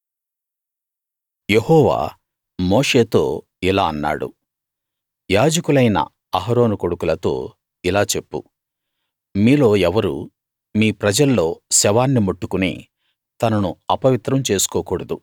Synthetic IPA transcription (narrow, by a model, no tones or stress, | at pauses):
jehɔːʋa̰ː | moːʂe̞ːt̪o̞ː | ilaːɐnːa̰ːɽṵ | jaːd͡ʒɐkulɐjnɐ̰ | ɐɦɐɾo̞ːnuko̞ɽukulɐt̪o̞̰ː | ilaːt͡ʃe̞pːṵ | miːlo̞ːɛʋɐɾṵ | miːpɾɐd͡ʒɐlːo̞ːsɛʋaːnːimoʈːukunḭ | t̪ɐnɐnuɐpɐʋit̪ɾɐmt͡ʃe̞ːsu̥koːkuːɽɐd̪u